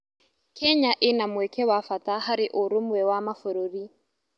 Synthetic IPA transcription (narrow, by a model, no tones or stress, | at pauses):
kʰɛɲaʔɪnamwɛkɛwafatahaɾɪʔʊɾomwɛwamafʊɾoɾi